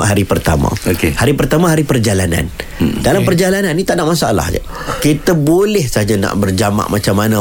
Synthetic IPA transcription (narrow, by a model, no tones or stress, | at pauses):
ʔɦaɾipərt̪a̰ma̰okehaɾipərt̪amãɦaɾipərd͡ʒalana̰ndalampərd͡ʒalananːit̪aʔnaʔmasaala̰hd͡ʒa̰ | kit̪abolɛhsaad͡ʒana̰ʔbərd͡ʒama̰ʔmʔat͡ʃamːanã